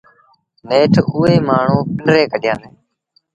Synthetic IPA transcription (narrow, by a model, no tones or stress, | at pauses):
neːʈʰuːeːmaːɳ̤ũːpɪɳɖɾeːkəɗɪjãːneː